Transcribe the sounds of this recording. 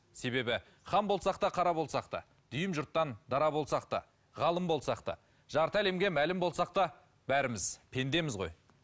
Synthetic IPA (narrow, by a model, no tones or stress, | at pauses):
se̞be̞bɪ | χɑmbo̞lˠsɑqt̪ɑqʰɑɾɑbo̞lˠsɑqt̪ɑ̰ | d̪̥ʏjɪmʒʊɾt̪ːɑnd̪ɑɾɑbo̞lˠsɑq̚t̪ɑ̰ | ʁɑlˠəmbo̞lˠsɑqt̪ɑ̰ | ʒɑɾt̪əæle̞mɡʲe̞mælɪmbo̞lˠsɑq̚t̪ɑ | bæɾɪmɪzpʰe̞nd̪e̞mɪzʁo̞̰j